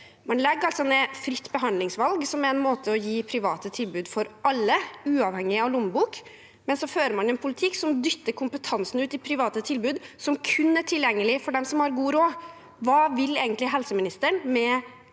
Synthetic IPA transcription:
mɑnlɛɡːɑlt̪sɔnɛfɾɪt̪ːbəɦɑnlɪŋsʋɑlɡsɔmæɾɛnmoːt̪ʰəɔjiːpʰɾɪʋɑːt̪ət̪ʰɪlbʉːd̪fɔɾʔɑlːəʉːɑʋhɛŋːɪɑʋlʊmbuːk | mɛnsɔføːɾəɾmɑnɛnpʰʊlɪt̪ʰɪkːsɔmd̪ʏt̪ːəɾkʰʊmpət̪ʰɑnsn̩ʉːt̪ɪpʰɾɪʋɑːt̪ət̪ʰɪlbʉːd̪sɔmkʰʉnːæʈʰɪljɛŋːəlɪfɔɖɛmsɔmhɑɾɡuːɾoː | ʋɑːʋɪlːeːɡənt̪lɪɦɛlsəmɪnɪst̪əɳmɛ

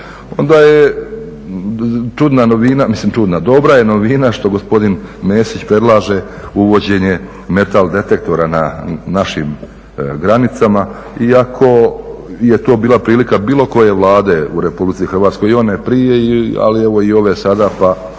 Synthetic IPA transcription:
o̞nd̪aːje | t͡ʃud̪nano̞ʋinamislimt͡ʃud̪nad̪o̞bɾaje̞no̞ʋinaʃt̪o̞ɡo̞spo̞d̪inmeːsit͡ɕpɾe̞d̪lˠaːʒe | uʋo̞d͡ʑe̞ɲe̞ | me̞t̪ald̪e̞t̪e̞k̚t̪o̞ɾananaʃim | ɡɾanit̪sama | iakʰo̞je̞t̪o̞ːbiːlˠapɾiːlikabiːlˠo̞ko̞je̞ʋlˠaːd̪e̞uɾepublit̪sixrʋaːt̪sko̞jonepɾije̞ia̰lieʋo̞io̞ʋesad̪apa

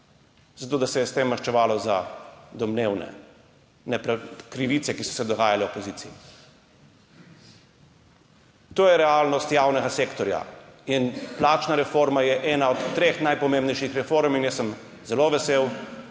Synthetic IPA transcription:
zat̪oːd̪asɛjɛst̪emːɐɾʃt͡ʃɛʋaːlɔza̰d̪ɔmneːwnɛ̰ | nɛpɾkɾiʋit̪sɛkisɔ̥sɛd̪ɔɡaːjalɛopɔziːt̪iji | t̪oːjɛɾɛalnɔst̪jaːwnɛɡaseːkt̪ɔɾja̰inplaːt͡ʃnaɾɛfoɾmajɛʔɛːnaɔt̪ːɾexnajpɔmẽmbnɛjʃixɾɛfoɾminjɛsəm | zɛloʋɛsew

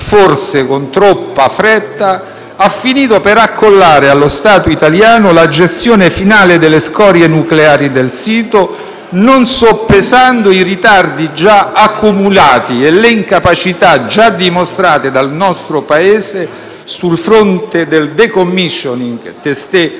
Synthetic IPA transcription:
forsekont̪ɾɔpːafɾɛt̪ːa | afːiniːt̪opeɾakːolːaːɾealːost̪aːt̪oit̪aljaːnolad͡ʒest̪joːnefinaːled̪elːeskɔɾjenukleaːɾid̪elsiːt̪o | nonsopːezand̪oirit̪ard̪id͡ʒaakːumulaːt̪ieleiŋkapat͡ʃit̪ad͡ʒad̪imost̪ɾaːt̪ed̪alnɔst̪ɾopaeːze | sulfɾont̪ed̪eld̪ekomːiʃːoniŋɡt̪est̪e

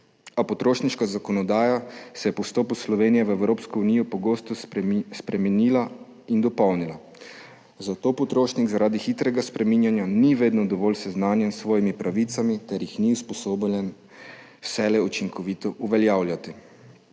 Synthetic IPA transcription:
apɔt̪ɾoːʃniʃkazakɔnɔd̪aːjasɛjɛpɔwst̪oːpuslɔʋeːnijɛʋɛwɾoːpskɔuniːjɔpɔɡoːst̪ɔspɾɛmɛnila | ind̪ɔpɔwnila | zat̪oːpɔt̪ɾoːʃniɡzaɾaːd̪ixit̪ɾɛɡaspɾɛmiːnjanjaniʋeːd̪nɔd̪ɔʋɔːlsɛznaːnjɛnsʋɔːjimipɾaʋit̪samit̪ɛɾjixniuspɔsoːblɛn | wsɛlɛut͡ʃiŋkʰɔʋit̪ɔʔuʋɛljaːwljat̪i

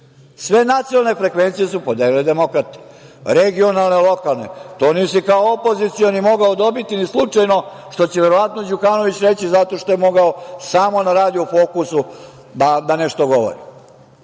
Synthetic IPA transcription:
sʋe̞nat̪sijnalˠne̞fɾekʋe̞nt̪sijesupod̪eːliled̪e̞mo̞kɾat̪i̥ | ɾeɡio̞nalnelˠo̞kalˠnḛt̪oːniːsikaoopo̞zit̪sijonimo̞ɡaod̪o̞bit̪inislˠut͡ʂajno̞ʃt̪o̞t͡ɕeʋeɾoʋat̪nod͡ʑukaːno̞ʋit͡ɕɾe̞t͡ɕizat̪o̞ʂt̪o̞jemo̞ɡaosaːmo̞naɾaːd̪jiufoːkusu | d̪ad̪aneʃt̪oɡo̞ʋo̰ɾḭ

